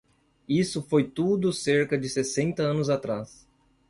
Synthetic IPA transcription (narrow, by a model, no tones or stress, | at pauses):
isʊfojt̪ud̪ʊseɾkɐd͡ʒɪsesẽnt̪ɐɐ̃nʊzat̪ɾas